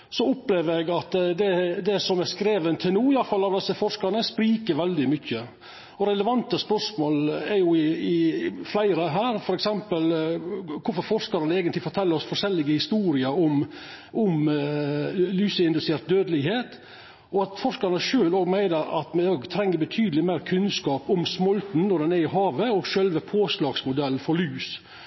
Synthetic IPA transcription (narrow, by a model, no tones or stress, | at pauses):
sɔʊpleːʋəɾɛɡɑt̪d̪ɛd̪ɛsɔmæɾskɾeːʋənt̪ʰɪlnuːɪjɑfɑlːɑʋd̪ɛsːəfɔʂkɑɾnəspɾiːkəɾʋɛld̪ɪmʏçːə | ɔɾɛləʋɑnt̪əspœʂmoːlɛɾjʊɪɪflæɪɾəɦæːɾfɔɾɛksɛmpəlkʰʊfɔɾfɔɾʂkɑɾnəɛːɡənt̪lɪfɔʈ̪ʰɛlːəɾɔsfɔʂɛlːɪɡəhɪst̪uːɾɪəɔm | ʔʊm | lyːsəɪnʉsɛːɾt̪̚d̪øːd̪əlɪɦeːt̪ | ɔɑt̪fɔʂkɑɾnəʂøːloːɡmæɪnəɾɑ̰t̪mɛoːɡt̪ʰɾɛŋːəɾbət̪ʰyːd̪əlɪmæɪɾkʰʉnskɑːpʊmsmɔlt̪n̩nɔɖɛnɛɾɪɦɑːʋəɔɡʃølʋəpʰoːslɑːɡsmʊd̪ɛlːfɔɾlyːs